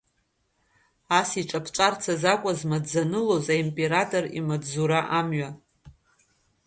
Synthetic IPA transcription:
asiʈ͡ʂʼapʰʈ͡ʂʷʼart͡sʰazakʷʼazmadd͡zanɨlozaimpʼe̞ɾatʼo̞rḭmadzuɾaʔamɥa

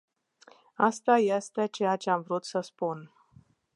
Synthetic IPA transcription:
ast̪aje̞st̪e̞t͡ʃe̞jat͡ʃe̞amvɾut̪səspun

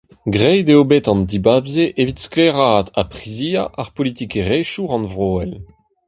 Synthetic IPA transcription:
ɡʁɛjd̪eobet̪ɑ̃nd̪ibabzeʔevit̪skleʁaːt̪a̰pχiziːaʔaʁpɔlit̪ikeʁeʃuʁɑ̃nvʁoːɛl

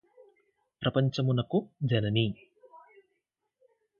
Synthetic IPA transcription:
pɾɐpɐɲt͡ʃɐmunɐkud͡ʒɐnɐni

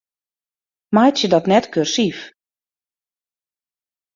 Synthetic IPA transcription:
majtjədɔtnɛtkørsif

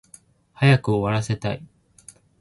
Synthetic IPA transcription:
hajakɯ̟oβaɾase̞t̪ai

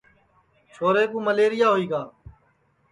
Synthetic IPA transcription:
t͡ʃʰoːɾeːkũːməleːɾɪjaːɦoiːɡaː

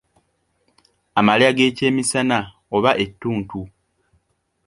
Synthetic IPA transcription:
amaljaɡe̞ːce̞ːmisana | o̞βaʔe̞tːuːntu

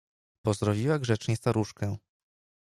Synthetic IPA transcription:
pɔzɾɔvʲiwaɡʐɛt͡ʂɲɛst̪aɾuʂkɛ

